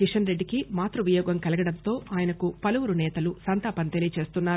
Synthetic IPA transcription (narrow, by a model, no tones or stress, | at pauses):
kiʂɐnɾe̞ɖːikimaːt̪ɾuʋijɔːɡɐmkɐlɐɡɐɽɐnt̪o̞ːaːjɐnɐkupɐlɐʋuɾunɛːt̪ɐlusɐnt̪aːpɐnt̪elijɐt͡ʃe̞ːst̪unːaːɾu